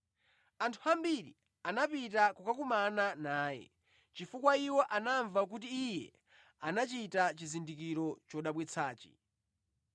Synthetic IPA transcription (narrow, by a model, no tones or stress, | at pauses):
antʰuambiɾḭ | anapitakɔkakumananaːjɛ̰ | t͡ʃifukwaiwɔʔanaɱvak̬ut̬iːjɛ̰ | anat͡ʃitat͡ʃizindikiɾɔt͡ʃɔɗaɓwɛt͡sʰaːt͡ʃḭ